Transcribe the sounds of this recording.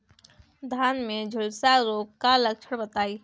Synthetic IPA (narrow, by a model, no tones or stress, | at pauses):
d̪ʱaːnmẽd͡ʒʱʊlsaɾoːkkːalɐk̚t͡ʃʰəɽbət̪aːiː